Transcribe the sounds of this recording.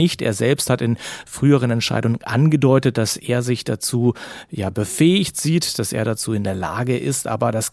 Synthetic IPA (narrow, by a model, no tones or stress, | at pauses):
ɪçtʔḛːɐzɛlpsthatɪnfʁ̥yːəʁ̞ənɛntʃa̰ɪdʊŋənʔa̰nɡədɔʏtət̚d̥asʔeːɐzɪçd̥at͡suːjaːbəfɛːɪçtz̥iːtd̥asḛːɐdat͡suːɪndeːɐla̰ːɡəʔɪstʔa̰ːbɐdas